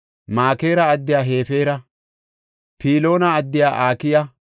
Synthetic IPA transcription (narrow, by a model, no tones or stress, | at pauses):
maːke̞ːɾɐːd̪ːɪjaːɦe̞ːfe̞ːɾɐ | piːlo̞ːnɐːd̪ːɪjaːʔaːkɪjɐ